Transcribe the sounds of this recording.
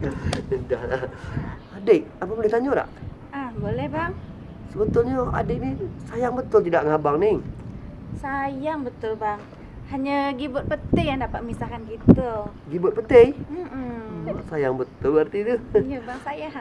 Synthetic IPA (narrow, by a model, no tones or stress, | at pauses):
dahlahadeʔ̚apəbolɛht̪aɲoɾa̰ʔʔahbolɛhbaŋ | səbət̪ʊlɲəa̰dɪʔ̚nisajaŋbət̪ʊlt̪idaʔŋabaŋniŋ | sajaŋbət̪ʊlbaŋ | haɲəɡibʊt̪̚pət̪ɪjaŋdapat̪̚misakankit̪ə | ɡibʊt̪̚pət̪ej̩ | sajaŋbət̪ʊlbart̪id̪uɲəbaŋsaja